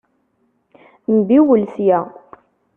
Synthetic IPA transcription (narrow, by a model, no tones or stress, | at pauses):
nbiwəlsjæ